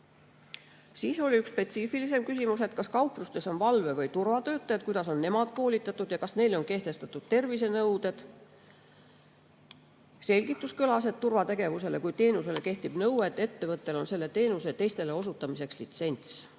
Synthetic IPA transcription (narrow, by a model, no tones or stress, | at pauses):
siːso̞liykspe̞t̪siːfilis̬e̞mkys̬ʲimus̬e̞t̪̚kɑskɑwplust̪e̞so̞nvɑlve̞vɤjt̪urvɑt̪ø̞ːt̪ːˑɑjɑt̪̚kujd̪̥ɑso̞nːe̞mɑd̪̥̚ko̞ːlʲit̪ːˑɑt̪ːˑud̪jɑkɑsne̞jlo̞nke̞ht̪e̞st̪ɑt̪ːˑud̪̥t̪e̞rvis̬e̞nɤwd̪̥e̞d̪̥ | se̞lʲɡ̥it̪ːˑuskylɑs̬e̞d̪̚t̪ːurvɑt̪e̞ɡ̥e̞vuse̞le̞kujt̪e̞ːnuse̞le̞ke̞ht̪ib̥nɤwwe̞t̪ːˑe̞t̪ːe̞vɤt̪ːˑe̞lo̞nse̞lːe̞t̪e̞ːnuse̞t̪e̞jst̪e̞le̞o̞sut̪ːˑɑmise̞kslit̪se̞nʲt̪s